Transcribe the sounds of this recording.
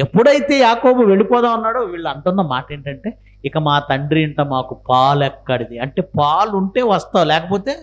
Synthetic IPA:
epːuɽɐjit̪e̞ːjaːkoːbuʋe̞ɭipɔːd̪aːɐnːaːɽoːʋiːɭːɐnt̪ɐnːɐmaːʈeːɳʈɐɳʈe̞ː | ɪkɐmaːt̪ɐɳɖɾiiɳʈɐmaːkupaːlɛkːɐɽid̪iɐɳʈe̞ːpaːluɳʈe̞ːʋɐst̪aːwlɛːkɐpoːt̪e̞ː

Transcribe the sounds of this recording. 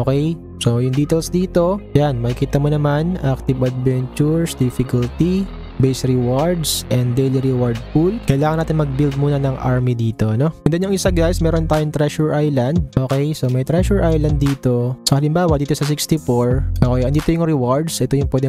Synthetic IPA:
ʔokɛj | sojʊŋd̪iːt̪ɛlsd̪iːt̪o̞janmɐɪkiːt̪ɐmonɐmanʔak̚t̪ɪvʔɐd̪vɛnt͡ʃʊɹsd̪ɪfɪkɐlt̪i | bejsɾɪwaɹd̪sʔɛnd̪d̪ejliɾɛwaɹd̪̚fulkɐjɐlaːŋɐnaːt̪ɪnmɐɡ̚bild̪̚muːnɐnɐŋʔa̰ɹmid̪iːt̪o̞ʔɐno̞ɐnd̪ɐnjʊŋɪsɐɡajsmɛːɾont̪aːjʊŋt̪ɾɛʃʊɹʔajlɐnd̪̚ʔoːkɛjsomɐjt̪ɾɛʃʊɹʔajlɐnd̪̚ːiːt̪o̞sɐhɐlɪmbaːwɐd̪iːt̪osɐs̬ɪkst̪ifoɹʔoːkɛjɐnd̪iːt̪ojʊŋɾɛwaɹd̪sʔɛt̪ojʊŋpwɛːd̪ɛ

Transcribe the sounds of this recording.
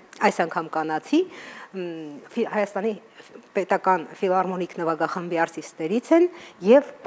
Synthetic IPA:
ɑjsɑŋkʰɑmkɑnɑt͡sʰi | fihɑjɑst̪ɑnipɛt̪ɑkɑnfilɑrmɔnikʰnəvɑɡɑχəmbiɑɾtist̪ɛɾit͡sʰɛnjɛv

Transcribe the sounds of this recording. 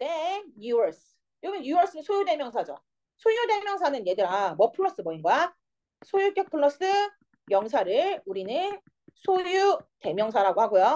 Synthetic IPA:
nejuʌɭs͈ɯ̥ | joɡijuʌɭs͈ʰɯnsʰojude̞mjʌŋsʰad͡ʑʌ̰ | sʰojude̞mjʌŋsʰanɯnje̞dɯɾamʌpʰɯɭːʌs͈ɯbʌinɡoa | sʰojuk͈ʌk̚pʰɯɭːʌs͈ɯ | jʌŋsʰaɾɯɭuɾinɯn | sʰojute̞mjʌŋsʰaɾaɡohaɡojo

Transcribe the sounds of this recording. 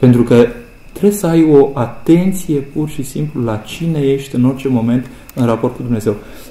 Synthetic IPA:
pe̞nt̪ɾukə | t̪ɾebsəajo̞ʔat̪e̞nt̪sije̞purʃisimplulat͡ʃine̞je̞ʃt̪ʲɨno̞rt͡ʃe̞mo̞me̞nt̪ | ɨnrapo̞rt̪̚kud̪umne̞ze̞w

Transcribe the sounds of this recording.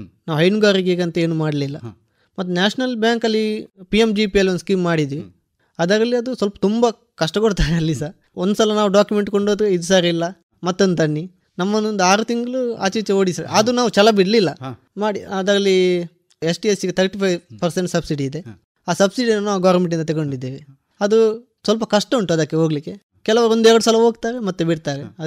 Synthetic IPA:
naːʋuɦɐjnuɡaːɾiɡeːɡɐnt̪ɐe̞ːnumaːɽɐlilːɐ | mɐt̪ːunaːʂnɐlbjaːŋkɐlːipiemd͡ʒipiɐlːiond̪uskiːmːaːɽid̪iʋi | ɐd̪aːɾɐlːiɐd̪usʋɐlpɐ̥t̪umbɐ | kɐʂʈɐkoɽt̪aːneɐlːisaː | ond̪usɐlɐnaːʋuɖaːkjume̞ɳʈkoɳɖod̪eid̪usaːɾiilːɐ | mɐt̪ːond̪t̪ɐɳːi | nɐmːɐnːond̪uaːɾut̪iŋɡɐɭua̰ːt͡ʃiʋit͡ʃːɐoːɽisɐɾḛaːd̪unaːʋut͡ʃɛlɐbiɽɐlilːɐ | maːɽiɐd̪aːɾɐlːi | esʈiesiɡet̪ʰɐɾʈipʰɐjʋpɐɾseɳʈsɐbsiɖiːd̪e | aːsɐbsiɖinːuaːɡaːɾmeɳʈ̬ːind̪ɐt̪̬eɡoɳɖid̪ːeːʋe | ɐd̪u | sʋɐlpɐkɐʂʈɐuɳʈuɐd̪aːkːeɦo̞ːɡɐlikːe̞ | kɛlɐʋɐond̪ɛɾɐɽusɐːlɐɦoːɡt̪aːɾemɐt̪ːubiɽt̪aːɾeɐ

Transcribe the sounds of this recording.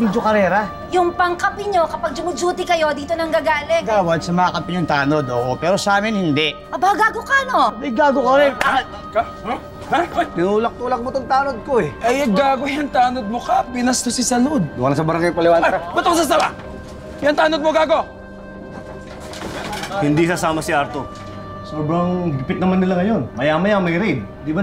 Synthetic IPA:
mid͡ʒokɐɾɛːɾɐ | jʊŋpɐŋkɐpɪɲokɐpaɡ̚d͡ʒʊmʊd͡ʒuːt̪ɪkɐjo̞d̪iːt̪onɐŋɡaɡaːlɛɡaːwɐd̪sɐmɐakɐpɪɲʊŋt̪aːnod̪oːʔopɛːɾosaːmɪnhɪnd̪ɛʔ | ɐbaɐɡaːɡokano̞mɐjɡaːɡokɐɾɪn | kɐ | t̪ɪnuːlɐk̚t̪uːlɐk̚mot̪oŋt̪aːnod̪̚koɛʔɐjɐɡaːɡojɐŋt̪aːnod̪̚mokapinɐst̪osɪsɐnod̪̚dalnɐsɐbɐɾɐŋɡɐjpɐlɪwaːnbɐt̪oŋsɐsɐla | jɐŋt̪aːnod̪̚moɡaːɡo | hɪnd̪isɐsaːmɐsɪaɾt̪o | soːbɾɐŋɡpɪt̪nɐmanːɪlaŋɐjo̞nmɐjaːmɐjamɐjɾɛd̪̚ | d̪iːba

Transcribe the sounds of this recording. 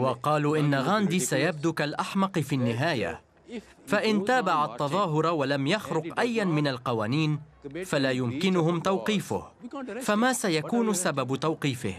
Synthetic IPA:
wɑqɑːluːʔɪnːaɣaːnd̪iːsajab̚d̪uːkalʔaħmɑqɨfiːnːɪɦaːja̰ | faʔɪnt̪aːbaʕat̪ːɑðˤɑːɦʊɾˤwalamjaxɾʊqʔajːanmɪnalqɑwaːniːn | falaːjʊmkɪnʊhʊmt̪awqiːfʊ̰hfamaːsajakuːnʊsababt̪awqiːfɪ̰h

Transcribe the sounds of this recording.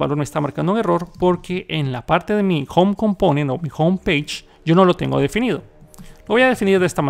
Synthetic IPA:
βa̰lo̞ɾmest̪amaɾkand̪ouŋe̞ro̞ɾpo̞ɾke̞ʔenlapaɾt̪eðemixomko̞mponẽnomixowmpejt͡ʃ | ɟ͡ʝo̞no̞lo̞t̪e̞̰ŋɡoðe̞finiðo̞loβo̞jaðe̞finiɾðest̪ama

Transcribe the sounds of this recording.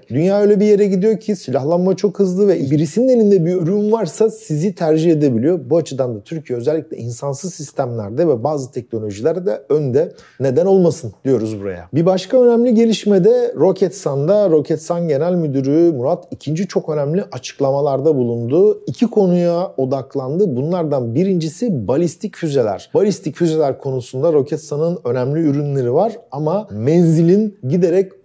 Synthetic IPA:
d̪ynjaːøjlʲɛbije̞ɾɛɟid̪ijo̞cʰisilʲaxlˠanmat͡ʃʰo̞khɯzlˠɯvɛbiɾisinine̞lʲind̪ɛbiøɾynvaɾsasizit̪ʰæɾd͡ʒihe̞d̪e̞bilʲijo̞buat͡ʃʰɯd̪and̪at̪ʰyɾcʰijɛøzælʲːiclʲɛinsansɯzsist̪ʰæmlʲæɾd̪ɛvɛbaːzɯt̪ʰɛc̚no̞lʲo̞ʒilʲæɾd̪ɛønd̪ɛ | ne̞d̪æno̞lˠmasɯnd̪ijo̞ɾuzbuɾa̰ja̰bibaʃkaø̞næmlʲiɟe̞lʲiʃmed̪ɛɾo̞cʰɛt̪sand̪aɾo̞cʰɛt̪sanɟe̞nælʲmyd̪yɾymuɾat̪ʰicʰind͡ʒit͡ʃʰo̞kø̞næmlʲiʔat͡ʃʰɯ̥klˠamalˠaɾd̪abulˠund̪uicʰikʰo̞nujao̞d̪aklˠand̪ɯbunlˠaɾd̪anbiɾind͡ʒisibalʲist̪ʰicfyze̞lʲæ̰ɾ̥balʲist̪ʰicfyze̞lʲæɾkʰo̞nusund̪aɾo̞cʰɛt̪sanɯnø̞næmlʲiyɾynlʲe̞ɾivaɾamamɛnzilʲinɟid̪eɾɛc

